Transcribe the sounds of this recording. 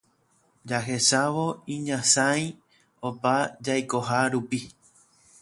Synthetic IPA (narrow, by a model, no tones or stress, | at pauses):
d͡ʒaɦe̞ʃaʋo̞ĩɲãsãj̃ | opad͡ʒajko̞ɦaɾupi